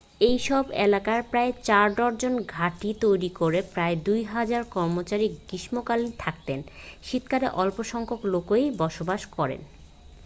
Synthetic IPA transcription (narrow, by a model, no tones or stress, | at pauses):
ejʃɔbḛlakaɾpɾaet͡ɕaɾd̪ɔɾd͡ʑonɡʱaʈit̪ojɾikoɾepɾaed̪ujɦad͡ʑaɾkɔɾmot͡ɕaɾikɡiʃmokalint̪ʰak̚t̪enʃit̪kaɾeʔɔlpoʃɔŋkʰoklokojbɔʃobaʃkɔɾḛn